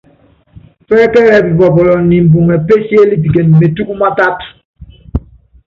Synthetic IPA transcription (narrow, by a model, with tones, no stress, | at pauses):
fɛ˦kɛ˦ɾɛ˨bi˨bɔ˨bɔ˨lɔ˨ni˨m̩˨bu˨ŋɛ˨pe˦se˦li˦p̬i˨ke˨nme˨tu˦ku˦ma˦ta˦t